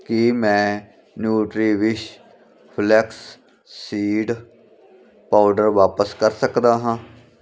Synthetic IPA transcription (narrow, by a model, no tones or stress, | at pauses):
kimɛ̃ː | njuːʈɾiːʋɪt͡ʃ | pʰlɛːksː | iːɖ | paːɖəɾʋaːpəskəɾsəkd̪aːɦãː